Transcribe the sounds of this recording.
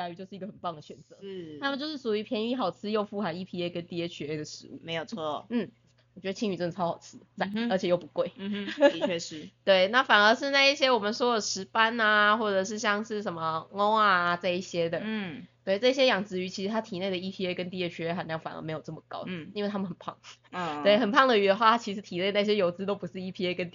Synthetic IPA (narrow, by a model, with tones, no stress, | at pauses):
a˥˧ɥy˧t͡ɕjo˥˧ʊʂɻ̩˥˩i˧˥ɡə˩xə˨˩npɑ˥˩ŋd̪ə˩ɕɥɛ˨˩nt͡sɤ̰˧˦˥a˥mə˨nt͡ɕjʊʂɻ̩˥˩su˨˩y˧pʰjɛ˧˥ni˧˥xɑ˨˩ʊt͡sʰɹ̩˥˧jo˥˧ʊfu˥xa˨˥ɪi˥˩pʰi˥e˥ɪkə˦nt̪i˥˧e˧˥ɕɥɛ˧˥e˥˩d̪ə˩ʂɻ̩˧˥ṵ˥˩me˧˥ɪjo˨˩t͡sʰɔ˥n̩˥˩ | wɔ˨˩t͡ɕɥɛ˧˥d̪ə˧t͡ɕʰi˥ŋy˨˩ʈ͡ʂɤ˥˩ŋə˨˩ɑ˥xɑ˨˩ʊt͡sʰɹ̩˥t͡sa˥˩ə˞˧˥t͡ɕʰjɛ˨˩jo˥˩ʊpu˧˦kwe˥˩ɪ˥˧˥ | t̪we˥˩ɪna˥˩fa˨˩nə˧˥ʂɻ̩˥˧na˥˧ɪi˥˩ɕjɛ˥wɔ˨˩mə˨nʂwɔ˥d̪ə˨˩ʂɻ̩˧˥pa˦na˨xwɔ˥˩ʈ͡ʂɤ˨˩ʂ̬ɻ̩˥˧ɕjɑ˥˧ŋʂɻ̩˥˩ʂə˧˥nmə˨ŋo˥ŋa˨˩t͡sa˥˧ɪi˥˩ɕjɛ˥d̪ə˨˥t̪we˥˩ɪʈ͡ʂɤ˥˩˥ɕ̬jɛ˥jɑ˨˩ŋt͡sɹ̩˧˥y˧˥t͡ɕʰi˧˥ʂɻ̩˧˥t̪ʰa˥t̪ʰi˨˩ne˥˩ɪə˩i˥˩pʰi˥e˥ɪkə˦˥nt̪̬i˥˧˩jɛ˧˥ɕɥɛ˧˥e˥ɪxa˨˥nljɑ˥˩ŋfa˨˩nʔə̰˧˥me˧˥ɪjʊ˩ʈ͡ʂə˥˩mə˨˩kɑ˥ʊi˥nwe˥˩ɪa˥mə˨nxə˨˩pʰɑ̰˥˩ŋt̪we˥˩ɪxə˨˩npʰɑ˥˩ŋd̪ə˨y˧˥d̪ə˧xwa˥˧˩a˥t͡ɕʰi˧˥ʂɻ̩˧˥t̪ʰi˨˩ne˥˩ɪna˥˩ɕ̬jɛ˥jo˧˥ʊt͡sɹ̩˥t̪o˥ʊpu˧˥ʂɻ̩˥˩i˥pʰi˥e˧˥ɪkə˦nt̪i